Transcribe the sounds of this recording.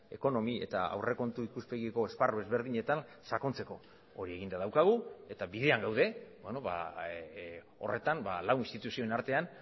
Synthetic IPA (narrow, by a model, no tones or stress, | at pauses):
e̞ko̞no̞mie̞̰t̪a̰a̰wre̞ko̞nt̪uikuspe̞ɣiko̞e̞sparoe̞zβe̞ɾð̞iɲe̞t̪an | sako̞nt͡se̞ko̞ː | ɾie̞ɣind̪aðawkaɣ̞ue̞t̪aβiðe̞aŋɡawðe̞beno̞βa̰ | o̞̰re̞t̪anmbalawinst̪it̪usio̞enaɾt̪e̞an